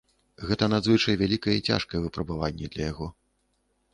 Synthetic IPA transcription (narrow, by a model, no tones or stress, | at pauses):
ɣɛt̪ɐnad̪zvɨt͡ʂɐjvʲalʲikɐjɛit͡sʲa̰ʂkɐjɛvɨpɾɐbavanʲːɛd̪lʲɐjaɣɔ